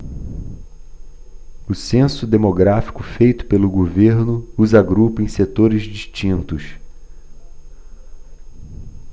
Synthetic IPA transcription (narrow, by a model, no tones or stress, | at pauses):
ʊsẽsʊd̪emoɡɾafi̥kʊfejt̪ʊ̥pelʊɡoveɾnʊuzaɡɾupʊẽj̃set̪oɾɪzd͡ʒiʃt͡ʃĩnt̪ʊs